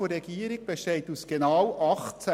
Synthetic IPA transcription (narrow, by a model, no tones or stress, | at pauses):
orɾɛɡ̥iːəɾiɡ̚b̥eʃteɪtusɡ̥enɑwɑχt͡sæ